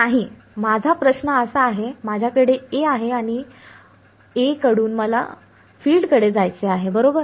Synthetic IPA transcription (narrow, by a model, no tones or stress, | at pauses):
naɦi | mad͡zʱapɾəɕnəəsaːɦemad͡ʑʱjakəɽeeaɦeaɽ̃i | ekəɽuːnməla̰ | fiːlɖkəɽed͡zajt͡seaɦebəɾobəɾ